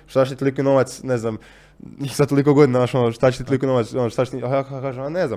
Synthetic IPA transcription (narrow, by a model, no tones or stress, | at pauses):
ʃt̪at͡ɕe̥t̪it̪olikono̞ʋat̪sneznam | sat̪olik̬oɡod̪inaaʃonoʃt̪at͡ɕet̪it̪olikonoʋatsonoʃt̪at͡ɕet̪iaaakaːʒemaneznam